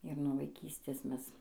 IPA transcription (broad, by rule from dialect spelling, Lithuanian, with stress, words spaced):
ɪr nuɔ ʋɐɪˈkʲiːsʲtʲeːs ˈmʲɛs